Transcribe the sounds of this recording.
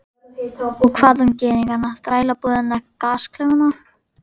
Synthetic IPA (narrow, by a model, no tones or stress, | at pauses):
ɔkʰvaːðhʏmcɛːðiŋkanat̪ɾaːjlapuðɪnnːaɾkaːskʰlɛɣana